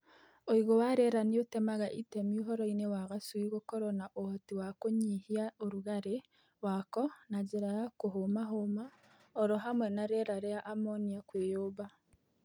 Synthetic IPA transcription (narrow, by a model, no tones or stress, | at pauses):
oiɣowaɾeɾanijotemaɣaʔitemiuɦɔɾoinewaɣasuiɣokoɾonaʔootiwakoɲihiaoɾuɣaɾe | wakɔnaɟeɾaɣakoɦomaɦoma | oɾoɦamwenaɾeɾaɾeaʔamoniakweːjoːβa